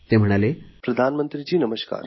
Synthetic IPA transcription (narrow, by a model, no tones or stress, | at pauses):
t̪em̤əɽ̃alepɾəd̪ʱanmənt̪ɾid͡ʑiːnəməɕka̰ːɾ